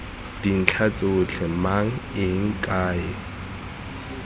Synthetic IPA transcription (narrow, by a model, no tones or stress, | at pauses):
d̥in̩t͡ɬʰat͡sʼɪːt͡ɬʰɛmaŋ̩ɪŋ̩kʼaːɪ